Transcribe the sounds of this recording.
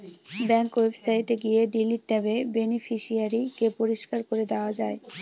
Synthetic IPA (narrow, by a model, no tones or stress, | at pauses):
bɛŋkwebsajʈeɡijeɖiliʈ̚ːɛbebenifiʃiaɾikepoɾiʃkaɾkoɾed̪eoad͡ʑae